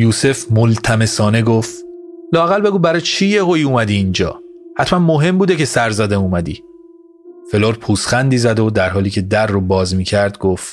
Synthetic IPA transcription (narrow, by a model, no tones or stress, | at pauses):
juːse̞fmolt̪ʰæme̞sɒːne̞ɡoft̪lɒːæɣælbe̞ɡuːbæɾɒt͡ʃʰiːjeɦojuːmæd̪iːnd͡ʒɒ̰ːhæt̪ʰmænmoɦe̞mbuːd̪e̞cʰe̞sæɾzæd̪æmuːmæd̪ḭː | fe̞loːɾpʰuːsχænd̪iːzæd̪o̞d̪æɾɦɒːliːcʰe̞d̪ærːobɒːzmiːcʰæɾd̪ɡoft̪